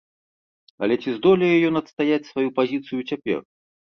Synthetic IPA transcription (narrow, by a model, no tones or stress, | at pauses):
ɐ̰lʲɛt͡sʲizd̪ɔlʲɛjɛjɔnɐt̪st̪ajat͡sʲsvajupazʲit̪sɨjut͡sʲapʲɛ̰r